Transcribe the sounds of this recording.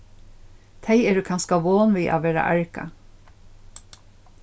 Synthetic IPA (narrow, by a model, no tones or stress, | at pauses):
t̪ʰeɪɛːɾʉkʰɑnskaʋoːnʋiːʔa̰ːʋeːɾa̰ʔæɹka̰